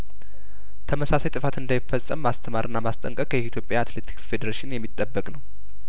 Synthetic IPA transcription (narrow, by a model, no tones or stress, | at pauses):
t̪ʰəməsasajt̪ʼɨfat̪ɨnd̪ajɪfːəsʼəmːast̪ʰəmaɾʔɨnːamast̪ʼəŋkʼəkʼjɛit̪ʰjo̞pʼjaat̪let̪ʰi̥ksfe̞d̪əɾaʃɪnjɛmːit̪ʼːəbːəkʼnəw